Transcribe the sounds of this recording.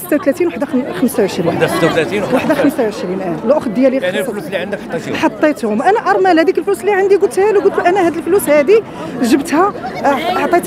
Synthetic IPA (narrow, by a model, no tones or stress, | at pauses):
sə̥t̪ːawt̪læt̪inwaħd̪axəmsawʕəʃɾisət̪ːat̪læt̪iwaħd̪axəmsawʕəʃɾinʔælʔoxt̪̚d̪jælislːiʕənd̪ħt̪ˤːħɑt̪ˤːet̪hʊmʔænæʔɑɾˤmælhæd̪ikəlfluslːiʕənd̪iɡʊt̪hælwɡult̪uʔænæhæd̪əlflushæd̪i | ʒəbt̪hæ | ħt̪ˤːet̪